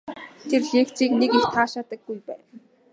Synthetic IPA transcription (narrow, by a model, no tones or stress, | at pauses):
t̪ʰerɮeːkt͡siːknekext̪ʰaːʃaːt̪ə̆kːujpæ̰ːn